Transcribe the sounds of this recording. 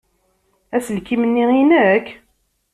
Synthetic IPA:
æsəlkimənːiinəkː

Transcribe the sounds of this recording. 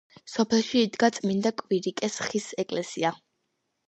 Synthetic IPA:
sɔpʰɛlˠʃiːd̪ɡat̪sʼmind̪akʼwiɾikʼɛsχisɛkʼlɛsia

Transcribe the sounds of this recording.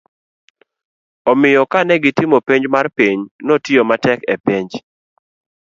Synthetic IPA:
ɔmɪjɔkanɛɡɪtɪmopeɲd͡ʒmarpiɲnɔtɪomatɛkɛpiɲd͡ʒ

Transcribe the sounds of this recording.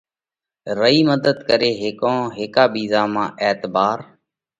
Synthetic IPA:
ɾəiːməd̪əd̪kəɾeːɦɪkõːɦɪːkaːbiːzaːmãːʔɛːt̪baːɾ

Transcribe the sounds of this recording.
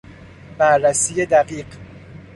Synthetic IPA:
b̥æɾːæsiːjed̪æɢiːɢ

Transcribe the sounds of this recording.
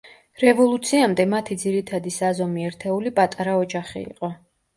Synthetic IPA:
ɾɛvɔlˠut̪sʰiamd̪ɛmat̪ʰid̪ziɾit̪ʰad̪isazɔmiɛɾt̪ʰɛulipʼat̪ʼaɾaɔd͡ʒaχḭḭqʼɔ

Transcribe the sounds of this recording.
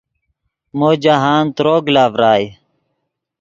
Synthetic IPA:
moːd͡ʑaɦaːnt̪ɾoːɡlaːʋɾaːj

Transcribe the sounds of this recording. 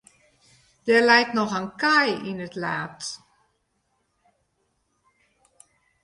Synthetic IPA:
d̥ɛrlɛjknɔxənkajinətlaːt

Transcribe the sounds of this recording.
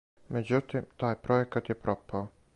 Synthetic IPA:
mɛd͡ʑut̪imt̪aːjpɾɔɛkat̪jɛpɾɔpao

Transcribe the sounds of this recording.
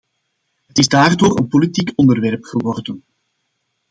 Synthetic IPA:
ɦətɪzdaːrdoːrə̰npolitiːkɔndərʋɛrpxəʋɔrdən

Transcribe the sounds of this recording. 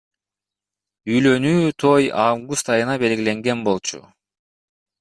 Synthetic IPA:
yjlø̞nyːt̪ʰo̞javɡust̪ɑjɯnɑbe̞lɡile̞ŋɡe̞nbo̞lˠt͡ʃʰṵ

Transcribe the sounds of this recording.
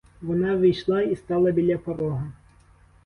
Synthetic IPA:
ʋɔnɑʋijʃlˠaist̪ɑlˠɐbʲilʲapɔɾɔɦɐ

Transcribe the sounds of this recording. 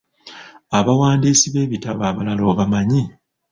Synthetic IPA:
aβawaːndiːsiβe̞ːβitaβaːβalaloːβamaɲi

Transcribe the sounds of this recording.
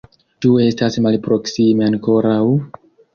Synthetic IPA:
t͡ʃue̞stasmalpɾo̞ksime̞aŋko̞ɾaw

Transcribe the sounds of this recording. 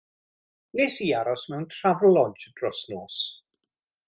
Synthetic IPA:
nesiːaɾɔsmɛwntʰr̥avlˠɔd͡ʒd̥rɔsnɔːs

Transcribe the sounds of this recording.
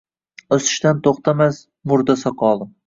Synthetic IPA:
ɵsɪ̥ʃt̪ant̪ʰoχt̪ʰamas | mʊɾd̪asɒqʰɒːlˠɪm

